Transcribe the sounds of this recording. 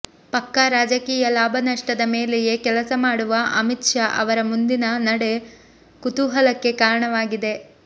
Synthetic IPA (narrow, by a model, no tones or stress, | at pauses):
pɐkːaɾaːd͡ʒɐkiːjɐlaːbʱɐnɐʂʈɐd̪ɐme̞ːleje̞kɛlɐsɐmaːɽuʋɐʔɐmit̪ʂaːʔɐʋɐɾɐmund̪inɐnɐɽe̞ | kut̪uɦɐlɐkːe̞kaːɾɐɳɐʋaːɡid̪e̞